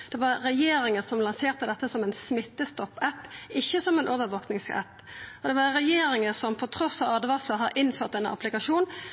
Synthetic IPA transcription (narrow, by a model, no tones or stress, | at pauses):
d̪̥ɛʋɑɾɾɛjeːɾɪŋəsɔmlɑnseːʁt̪əd̪ɛt̪ːəsɔmɛnsmɪt̪ːəst̪ɔpːɛpːɪçːəsɔmɛnʔoːʋəɾʋoːknɪŋskɾɛ̰pː | ɔd̪ɛʋɑɾɛjeːɾɪŋəsɔmpʰɔt̪ʰɾɔsːɑɑd̪ʋɑsləhɑɾʔɪnføːʁt̪ɛnɑ̰plɪkɑʂuːn